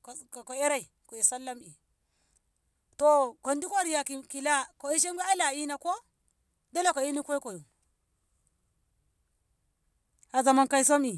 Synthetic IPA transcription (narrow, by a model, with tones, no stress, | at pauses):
kkko˨e˦ɾa˦i˨ | ko˨i˨sa˦lːa˦mi˨ | to˨ko˨ndi˦kʷo˦ɾi˨ja˨ki˨ki˨la˦ko˨i˦ʃ̬e˦ŋɡa˦i˦la˨i˦na˨ko˦ | da˦la˦ko˨i˦ni˦kʷo˦i˦ko˨ju˨ | a˨za˨ma˦nka˦i˦s̬o˦mi˨